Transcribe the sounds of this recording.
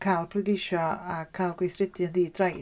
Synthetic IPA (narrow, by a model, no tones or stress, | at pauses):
kʰalˠpʰrʊdejʃɔakʰalˠɡwejθrɪdjəðiːdraj